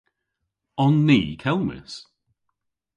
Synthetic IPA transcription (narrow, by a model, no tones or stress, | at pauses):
ɔnːiːkʰɛlˠmɪ̰s